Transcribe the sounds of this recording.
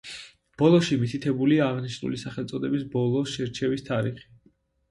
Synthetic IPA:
b̥ɔlˠɔʃimit̪ʰit̪ʰɛbuliaːʁniʃnṵlisaχɛlt̪sʼɔd̪ɛbisbɔlˠɔʃɛɾt͡ʃʰɛvist̪ʰaɾiχi̥

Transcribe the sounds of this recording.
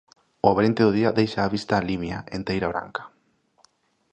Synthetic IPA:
ʊaβaɾent̪eðʊð̞iɐðejʃaːβist̪aːlimjaent̪ejɾaβ̞ɾa̰ŋkḁ

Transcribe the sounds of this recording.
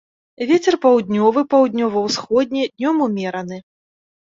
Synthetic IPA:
vʲet͡sʲɛrpawd̪ʲnʲɔvɨpawd̪ʲnʲɔvɐwsxɔd̪̚ʲnʲɛd̪ʲnʲɔmumʲɛɾɐnɨ

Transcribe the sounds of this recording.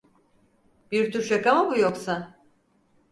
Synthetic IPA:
b̥iɾt̪ʰuɾʃakamabujo̞ksa

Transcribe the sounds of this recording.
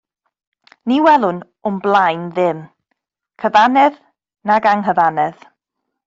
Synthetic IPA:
niwɛlˠʊn | ʊmblˠajnðɪm | kʰəvanɛð | naɡaŋɦəðanɛð

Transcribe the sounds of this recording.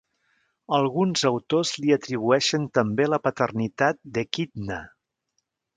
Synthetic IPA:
əlˠɣunzəwt̪ozliət̪ɾiβ̞uɛʃənt̪əmbeləpət̪ərnit̪at̪̚d̪əkid̪nə

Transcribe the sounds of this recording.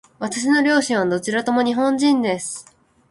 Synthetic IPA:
βat̪aɕ̬ino̞ɾʲo̞ːɕĩɰ̃βad̪o̞t͡ɕiɾat̪o̞mo̞ɲ̟iɦõ̞ɲ̟d͡ʑĩnd̪e̞sɨ̥

